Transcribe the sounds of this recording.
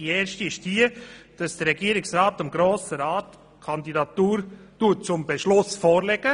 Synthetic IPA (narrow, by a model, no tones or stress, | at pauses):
ieːɾʃtiɪʃd̥iəd̥ɑsd̥əɾɛɡiəɾɪksɾɑːtɑmɡɾoːsəɾɑːt | kʰɑnd̪idɑtuːɾtut̚t͡sʊmbɛʃlʊsfɔːɾlɛɡ̥ə